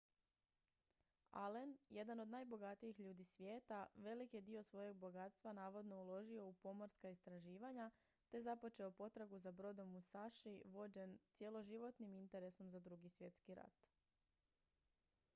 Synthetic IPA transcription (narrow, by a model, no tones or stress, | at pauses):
a̰le̞nje̞d̪anod̪naːjbo̞ɡat̪ijixʎuːd̪isʋʲjeːt̪aʋe̞likjed̪io̞sʋo̞je̞ɡ̚bo̞ɡat̪st̪ʋanaːʋo̞d̪no̞ulo̞ʒio̞upo̞mo̞ɾskaist̪ɾaʒiːʋaɲa | t̪e̞zapo̞t͡ʃe̞opo̞t̪ɾaɡuzabɾo̞d̪o̞musaʃiʋo̞d͡ʑe̞nt̪sʲje̞lo̞ʒiʋo̞t̪nimint̪e̞ɾe̞so̞mzad̪ɾuɡisʋje̞t̪skiɾa̰t̪